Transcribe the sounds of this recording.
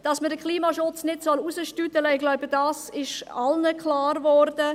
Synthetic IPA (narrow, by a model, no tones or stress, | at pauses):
d̥ɑsmədəkʰliːmaʃʊt͡snɪtsɔlusəʃtytələɪɡlaʊbədɑsɪʃɑlnəkʰlɑːɾvɔɾd̥ə